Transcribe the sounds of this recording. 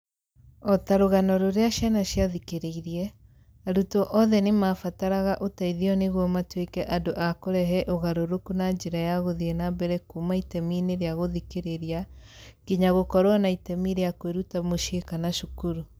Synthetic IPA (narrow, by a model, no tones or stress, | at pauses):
ɔtaɾoɣanɔɾoɾeaʃjanaɕjaðikeɾeiɾiɛ | aɾutɔʔɔðɛnemafataɾaɣaʔotaiðiɔneɣwɔmatwekɛʔadoʔakoɾɛɦɛʔoɣaɾoɾokunaɲd͡ʒeɾajaɣoðienabɛɾɛkumaitɛmineɾeaɣoðikeɾeɾiaɡiɲaɣokɔɾoanaitɛmiɾeakweɾutamoʃekanaʃukuɾu